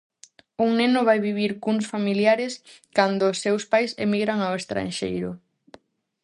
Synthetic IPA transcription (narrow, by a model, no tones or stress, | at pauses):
uŋnenʊβajβiβ̞iɾkunsfamiljaɾeskand̪ʊːsːewspajsḛmiɣɾaŋawest̪ɾa̰nʃḛjɾʊ